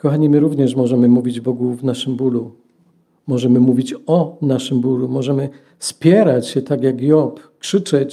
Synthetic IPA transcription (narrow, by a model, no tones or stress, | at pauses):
kɔxaɲimɘɾuvɲɛʂ̬mɔʐɛmɘmuvʲid͡ʑbɔɡuvnaʂɘmbulu | mɔʐɛmɘmuvʲit͡ɕɔnaʂɘmbulumɔʐɛmɘ | spʲjɛɾat͡ɕɕɛt̪aɡʲjaɡjɔpkʂɘt͡ʂɛt͡ɕ